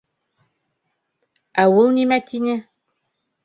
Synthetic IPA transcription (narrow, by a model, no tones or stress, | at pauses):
æwɤlˠnʲimæt̪ʰinʲɘ